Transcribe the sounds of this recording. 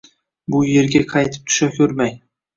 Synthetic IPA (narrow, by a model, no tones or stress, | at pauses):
bʊje̞ɾɡʲaqʰɑjt̪ʰɪ̥p̚t̪ʰʊ̥ʃakʲʰɵɾmaj